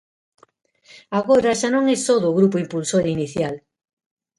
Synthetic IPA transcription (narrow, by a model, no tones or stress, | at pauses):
aɣoɾaʃanõŋɛst̪oðʊːɣɾupoimpulsoɾiniθjal